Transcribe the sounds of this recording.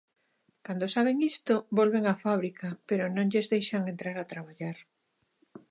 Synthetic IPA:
kand̪osaβ̞eŋist̪obolβeŋafaβ̞ɾikapeɾonõŋʎezðejʃaŋent̪ɾaɾat̪ɾaβaʎaɾ

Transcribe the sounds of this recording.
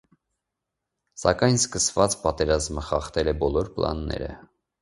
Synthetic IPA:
sɑkɑjnskəsvɑt͡spɑt̪ɛɾɑzməχɑχt̪ɛlɛbɔlɔɾplɑ̰nːɛ̰ɾə̰

